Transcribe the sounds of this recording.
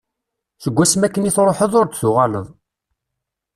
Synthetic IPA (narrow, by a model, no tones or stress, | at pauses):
θəɡʷːæsmækːəniθɾˤoħəðˤʊɾd̪θʊʁælə̰ðˤ